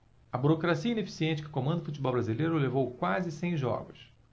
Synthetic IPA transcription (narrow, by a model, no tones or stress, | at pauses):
ɐbuɾokɾasiɐĩnefi̥siẽnt͡ʃɪkɪkõmɐ̃nd̪ʊfut͡ʃibɔwbɾazilejɾʊlevowkwazɪsẽj̃ʒɔ̰ɡʊs